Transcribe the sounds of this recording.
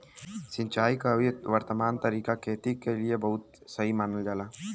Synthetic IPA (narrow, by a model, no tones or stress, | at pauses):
sɪ̃nt͡ʃaːikaeʋəɾt̪əmaːnt̪ɐɾiːkakʰeːt̪ikeliebɐɦʊt̪sɐɦimaːnəld͡ʒaːlaː